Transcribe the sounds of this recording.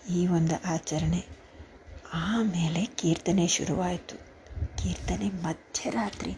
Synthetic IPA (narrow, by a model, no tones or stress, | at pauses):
iːʋond̪uʔaːt͡ʃɐɾɐɳe | aːme̞ːle̞kiːɾt̪ɐneʃṵɾuʋaːjt̪u | kiːɾt̪ɐnemɐd̪ʱjɐɾaːt̪ɾi